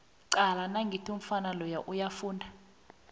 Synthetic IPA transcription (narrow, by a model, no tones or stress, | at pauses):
ǀalanaŋɡʱitʰuɱ̩fanalɔjaʔujafuːndʱa